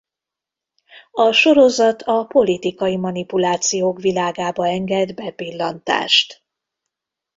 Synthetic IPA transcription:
ɒʃo̞ɾo̞zɒt̪ʰɒpo̞lit̪ikɒjimɒnipulaːt̪sijoːkʋilaːɡaːbɒɛŋɡɛd̪bɛpilːɒnt̪a̰ːʃt̪

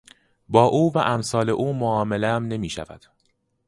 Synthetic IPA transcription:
bɒːʔuːvæʔæmsɒːle̞ʔuːmoɒːmeleæmne̞miːʃæ̰væ̰d̪̥

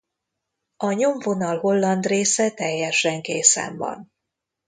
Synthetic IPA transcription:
ɒɲo̞ɱvo̞nɒlɦo̞lːɒnd̪reːsɛt̪ɛjːɛʃɛŋkeːsɛ̰ɱvɒ̰n

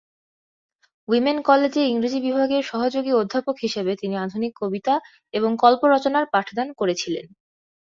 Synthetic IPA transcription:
wimenkɔled͡ʑeiŋɾid͡ʑibibʱaɡeɾʃɔɦod͡ʑoɡiod̪ʱːapokɦiʃebet̪iniad̪ʱunikʰːobit̪a | eboŋkɔlpoɾɔt͡ɕonaɾpaʈʰd̪ankoɾet͡ɕʰilḛn

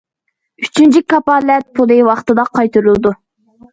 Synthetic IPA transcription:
yt͡ʃʰynt͡ʃʰikɑpɑlɛt̪̚pʰolˠejwɑχt̪ɨd̪ɑqʰɑjt̪uɾulˠɨd̪u

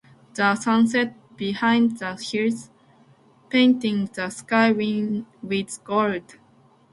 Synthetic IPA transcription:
ðəsʌ̃ns̬ɛt̚ | b̥ihãɪ̃ndðəhiɹs | pẽɪ̃ntɪ̃ŋðəskaɪwĩnwið̥ɡɔld

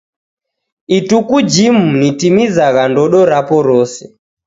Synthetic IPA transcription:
itukud͡ʒimunitimizaɣandɔɗɔɾapɔɾɔsɛ

